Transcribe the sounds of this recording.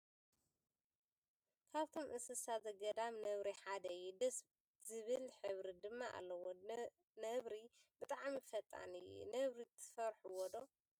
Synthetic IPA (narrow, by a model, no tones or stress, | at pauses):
kʰaβt̪ʰo̞mʔɨsɨsazɐɡɐd̪amnɐβɾiħad̪ɐjud̪ɐs | zɨβɨlħɨβɾid̪ɨmːaʔa̰lːɐwo | nɐβɾibɨt̪ʼaʕmifɐt̪ʼːa̰nɨjṵnɐβɾit̪ʰːɨ̥fɐɾħuwɔd̪o̞